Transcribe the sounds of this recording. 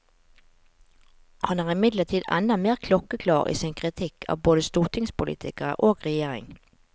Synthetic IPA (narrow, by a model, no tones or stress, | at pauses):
hɑnæːʁɪmɪd̪lət̪ʰiːd̪ɛ̰nɑmeːʁkʰlɔkəkʰlɑːʁḭːsɪːnkʰʁɪt̪ʰɪkʰɑ̰ːʋboːd̪əst̪uːʁt̪ʰɪŋspʊlḭːt̪ʰɪkəʁə̰ʔoːɡʁɛjeːʁɪ̰ŋ